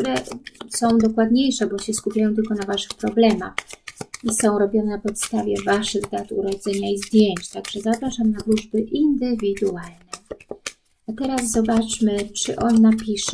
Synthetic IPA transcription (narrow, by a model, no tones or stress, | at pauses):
kt̪uɾɛsɔ̃w̃d̪ɔkwad̪ɲejʂɛbɔɕɛskupʲjajɔ̃t̪ɘlkɔnavaʂɘ̥xpɾɔblɛma̰xisɔ̃w̃ɾɔbʲjɔnɛnapɔt̪st̪avʲjɛvaʂɘɣd̪at̪uɾɔd̪zɛɲaizd̪ʲjeɲt͡ɕt̪aɡʐ̥ɛzapɾaʂamnad̪luʐbɘʔind̪ɘvʲid̪ualnɛ | at̪ɛɾas̬zɔbat͡ʂmɘt͡ʂɘ̰ʔɔnːapʲiʂɛ